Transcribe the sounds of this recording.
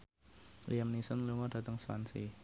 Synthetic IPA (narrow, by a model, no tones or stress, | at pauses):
liamnisənluŋɔd̥a̤t̪əŋswa̰nsḭ